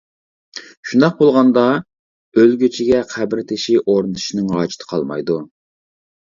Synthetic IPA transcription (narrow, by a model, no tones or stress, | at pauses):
ʃund̪ɑq̚bolˠʁɑnd̪ɑ | ølɡʲøt͡ʃʰiɡʲɛqʰæbɾɪt̪ʰɪʃiʔoɾnɨt̪ʰu̥ʃinɪŋɑ̰ːt͡ʃʰi̥t̪ʰə̥qʰɑ̰lˠmɑ̰jd̪u